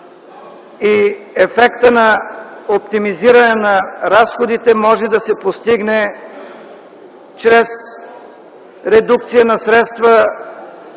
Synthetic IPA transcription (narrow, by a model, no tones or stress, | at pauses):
iɛfɛkt̪ənɐop̚t̪imiziɾɐnɛnɐɾasxod̪it̪ɛmɔʒɛd̪ɐsɛpost̪iɡnɛ | t͡ʃɾɛs | ɾɛd̪uk̚t̪sijənɐsɾɛt̪st̪və